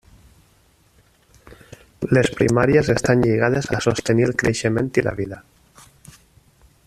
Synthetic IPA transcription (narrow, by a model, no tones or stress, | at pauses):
lespɾḭmaɾjesest̪anʎeɣ̞að̞esa̰sost̪enilkɾeʃemẽnt̪ila̰βiða